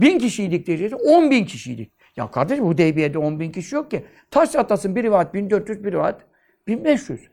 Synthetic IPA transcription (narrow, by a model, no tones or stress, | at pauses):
bincʰiʃijilʲic̚d̪eid͡ʒesɛo̞nbincʰiʃijḭlʲḭc̚ʲ | ja̰kʰaɾd̪eʃbud̪ejbijed̪ɛo̞nbincʰiʃijo̞k̚ci | t̪ʰaʃt͡ʃ̪ʰat̪ːasɯnbiɾvat̪̚bind̪øɾt̪jyzbiɾvaːt̪ | b̥inbɛʃjyz̥